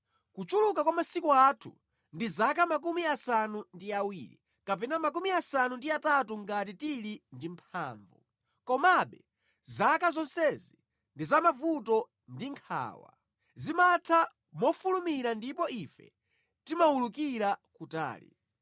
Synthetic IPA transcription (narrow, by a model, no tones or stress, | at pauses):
kut͡ʃuluk̬akwamasikuatʰṵ | ndizakamak̬umiasanundiawḭːɾḭ | kap̬ɛnamak̬umiasanundiatatuŋɡat̬itilindimpʰa̰ːɱvṵ | kɔmaɓɛ | zakazɔnsɛzi | ndizamavutɔ | ndiŋkʰa̰ːwa̰ | zimatʰa | mɔfulumiɾandipɔifɛ̰ | timawulukiɾakuta̰ːlḭ